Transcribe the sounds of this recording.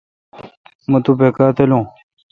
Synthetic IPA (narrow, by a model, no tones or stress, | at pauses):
mɐt̪upekaːt̪ɐlũː